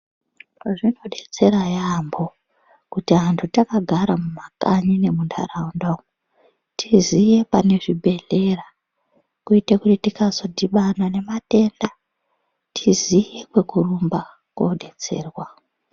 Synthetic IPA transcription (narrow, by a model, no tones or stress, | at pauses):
ʐino̞ɗe̞t͡se̞ɾajambo̞ | kutiɦantʰutakaɡʱaɾamumakaɲine̞mundʰa̰raundo | tʰizije̞pane̞ʐibʱe̞ɮe̞ra | kuite̞kutitikazo̞dʱiɓanane̞mate̞nda | tʰizije̞kwe̞kurumba | kwoɗe̞t͡se̞̰ːrwa